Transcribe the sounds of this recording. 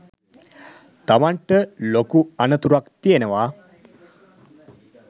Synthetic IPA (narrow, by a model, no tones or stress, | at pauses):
t̪aʋaɳʈəlokuanət̪uɾakt̪ijenəʋaː